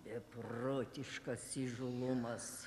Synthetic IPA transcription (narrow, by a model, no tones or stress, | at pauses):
bʲɛproːt̪ʲɪʃkɐsiʒʊlˠʊmɐs